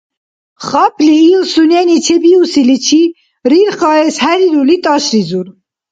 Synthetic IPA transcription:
χɑpʰliːlsunɛnit͡ʃʰɛbiusilit͡ʃʰi | ɾiɾχɑɛshɛɾiɾulit̪ʼɑʃɾizuɾ

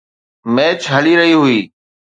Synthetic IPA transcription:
meːt͡ʃɦəliːɾəɦiɦʊiː

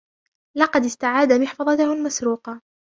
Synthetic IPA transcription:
lɑqɑd̪ɪst̪aʕaːd̪amɪħfɑðˤɑt̪ʊhʊlmasɾuːqɑ

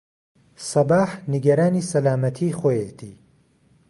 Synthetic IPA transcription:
sɐbaːħniɡɐɾaːniːsɐlaːmɐt̪ʰiχoːjet̪ʰḭː

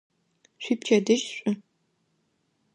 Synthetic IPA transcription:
ɕʷip̚t͡ʃʰɐdɨʒɕʷʼʊ

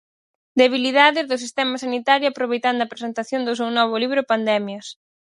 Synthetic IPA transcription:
d̪eβ̞iliðaðɪzðʊsist̪ɛmɐsanit̪aɾjʊapɾoβejt̪and̪ʊoɐapɾesent̪aθjond̪ʊs̬ewnɔβ̞ʊliβɾʊpand̪ɛmjɐs

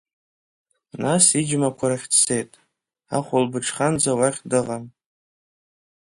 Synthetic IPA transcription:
nasid͡ʒmakʷʰaɾaχʲtʰsejtʼ | a̰χʷʊlbɨʈ͡ʂʰχand͡zawaχʲdɨʁan

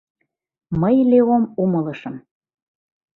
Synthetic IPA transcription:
məjleomumɤlɤʃəm

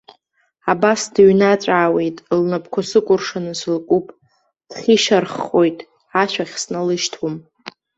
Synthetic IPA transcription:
abasdɨɥnat͡sʷʼaːwe̞jtʼlnapʰkʷʰosɨkʷʼʊrʂanɨsɨlkʷʼupʼ | d̥χʲiʃarχʼojtʼ | aʃʷᶣaχʲsnalɨʃtʰum

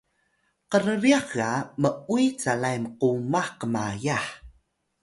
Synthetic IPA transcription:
qəɾəɾiaχɣaməujt͡salajmqumaħqəmajaħ

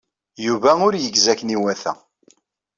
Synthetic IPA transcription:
juvæʊɾjəɡzækːniwæθæ̰

